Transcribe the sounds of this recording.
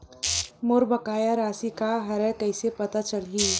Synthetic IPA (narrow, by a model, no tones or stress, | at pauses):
moɾbəkaːjaɾaːsikaɦɐɾɛkəɪsepət̪at͡ʃəɽɦi